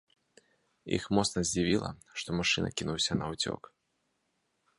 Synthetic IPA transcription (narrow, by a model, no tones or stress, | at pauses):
ḭxmɔt̪snɐzʲd͡zʲivʲilˠɐ̰ʂt̪ɔmaʂɨnɐ̰kʲinuwsʲɐnɐwt͡sʲɔ̰k